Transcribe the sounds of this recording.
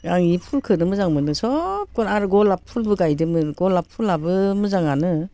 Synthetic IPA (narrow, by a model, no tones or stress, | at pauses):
ɡaŋipʰulkʰɯnɯmɯzaŋmɯnɯsɔp̚kɔnaɾɯɡɔlapʰːulbɯɡajdɯmɯɡɔlapʰulabɯmɯzaŋanɯ